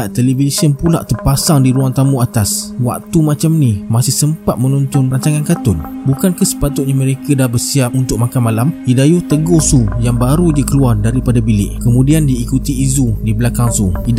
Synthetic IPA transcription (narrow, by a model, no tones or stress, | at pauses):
aʔt̪elevisiənpula̰ʔt̪ərpasaŋdiɾuaŋt̪amuat̪aswa̰k̚t̪umãt͡ʃamnimasɪhsəmpat̪̚mənunt̪ʊnraɲt͡ʃaŋankat̪ʊn | bukankasə̥pat̪ʊt̪̚ɲaməɾekadahbərsiap̚unt̪ʊk̚makanmalamidajut̪əɡosujaŋbaɾud͡ʒakəluardaɾipadabilɪ̰ʔkəmũdiandiːkut̪iizudibəlakaŋsui